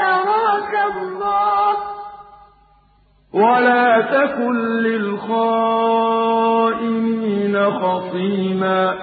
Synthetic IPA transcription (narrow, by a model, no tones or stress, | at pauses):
aɾɑkahʊlˤːɑːh | walaːt̪akʊnlɪlxaː | ʔɪmiːnaxɑsˤiːmaː